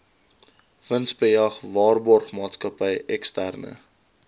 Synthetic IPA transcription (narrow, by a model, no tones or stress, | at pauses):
vənsbəɐχvɑːrbɔrχmɑːtskəpəjɛkstærnə̰